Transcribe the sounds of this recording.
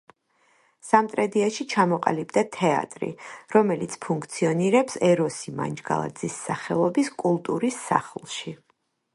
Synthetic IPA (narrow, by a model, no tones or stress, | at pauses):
samt̪ʼɾɛd̪iaʃit͡ʃʰamɔqʼa̰libd̪at̪ʰɛa̰t̪ʼɾḭɾɔmɛlit̪sʰpʰuŋkʰt̪sʰiɔniɾɛpsɛɾɔsima̰nd͡ʒɡa̰lˠa̰d̪zisːaχɛlˠɔbiskʼulˠt̪ʼuɾisːa̰χlˠʃi